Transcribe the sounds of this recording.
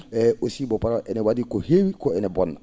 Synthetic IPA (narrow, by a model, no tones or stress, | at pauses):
ɛosibɔpaɾaʔɛnɛwadikohewikɔɛnɛbɔnːa̰